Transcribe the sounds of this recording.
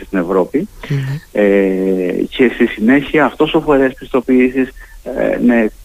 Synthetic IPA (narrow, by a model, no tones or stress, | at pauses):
st̪ine̞vɾo̞pi | e | ce̞st̪isine̞çiɐːft̪o̞so̞fo̞ɾespist̪o̞piisisne